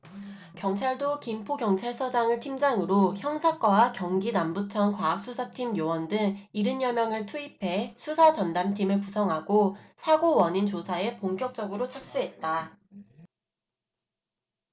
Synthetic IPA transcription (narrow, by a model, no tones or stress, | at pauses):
kjʌŋt͡ɕʰaɭdokimpʰokjʌŋt͡ɕʰaɭsʰʌd͡ʑaŋɯɭtʰimd͡ʑaŋɯɾoçjʌŋsʰak͈wawakjʌŋɡinambut͡ɕʰʌnkwaːk̚s͈usʰatʰimjowʌndɯŋiɾɯnjʌmjʌŋɯɭtʰuipʰe̞sʰusʰat͡ɕʌndamtʰimɯɭkusʰʌŋɦaɡosʰaɡowʌɲint͡ɕosʰae̞poŋk͈jʌk̚t͡ɕ͈ʌɡɯɾot͡ɕʰak̚s͈uɦe̞t̚t͈a